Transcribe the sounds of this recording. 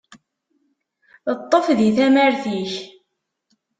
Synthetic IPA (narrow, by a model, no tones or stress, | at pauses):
ət̪ˤːəfðiθæməɾθiç